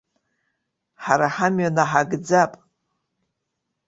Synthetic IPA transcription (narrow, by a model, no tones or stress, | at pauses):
ħaɾaħamɥanaħaɡd͡zapʼ